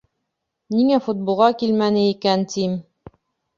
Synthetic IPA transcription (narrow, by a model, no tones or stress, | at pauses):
niŋæfut̪̚bolˠʁɑkilmænɘikænt̪im